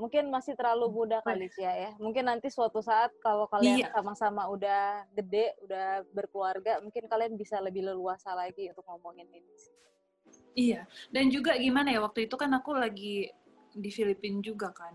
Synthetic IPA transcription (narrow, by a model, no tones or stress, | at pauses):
muŋkɪnmasɪht̪əɾlalumudahkalit͡ʃiajamuŋkɪnːant̪isuat̪usaʔːt̪̚kalokaliiansamasamaudahɡədɛʔudahbərkluarɡamuŋkɪnkalianbisaləbɪhləluasalaɡiunt̪ʊk̚ŋɔmoŋɪninis | ijadand͡ʒuɡaɡimanajawak̚t̪uit̪ukanakulaɡi | difilipɪnd͡ʒuɡakan